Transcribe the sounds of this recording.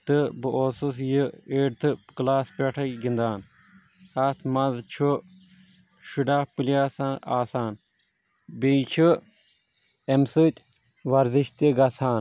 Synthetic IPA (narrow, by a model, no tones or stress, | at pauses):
t̪ɨbɨʔoːsus̬jəeːɖt̪ʰɨklaːspʲeʈʰɐkɡind̪aːn | at̪ʰmɐzt͡ʃʰu | ʃuɖaːpuliaːsaːnaːsaːn | bijt͡ʃʰu | emsɨt̪ʲ | ʋɐɾziʃt̪iɡɐsaːn